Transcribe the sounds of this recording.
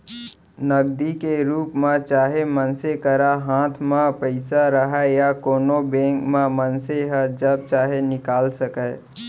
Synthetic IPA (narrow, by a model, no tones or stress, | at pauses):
nəɡd̪ikeɾuːpmãt͡ʃaːɦemənsekəɾaɦãːt̪ʰmãpəɪsaɾəɦajakoːnobẽːŋkmãmənseɦad͡ʒəb̚t͡ʃaːɦenɪkaːlsəkə